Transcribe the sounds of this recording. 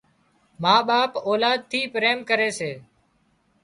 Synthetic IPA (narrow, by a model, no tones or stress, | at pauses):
maːɓaːpoːlaːd̪̚t̪ʰiːpɾeːmkəɾeːseː